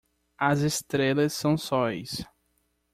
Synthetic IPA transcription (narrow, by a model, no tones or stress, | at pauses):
ɐzest̪ɾelɐsːɐ̃w̃sɔjs